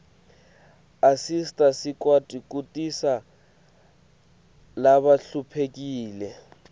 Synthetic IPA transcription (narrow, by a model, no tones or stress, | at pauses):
asistʼasɪkʼwatʼikʼutʼisa | laβaɬupʰekʼiːlɛ